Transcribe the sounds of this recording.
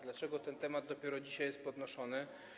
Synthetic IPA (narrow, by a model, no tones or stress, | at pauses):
d̪lat͡ʂɛɡɔt̪ɛnt̪ɛmad̪̚d̪ɔpʲjɛɾɔd͡ʑiɕajɛst̪̚pɔd̪nɔʂɔnɘ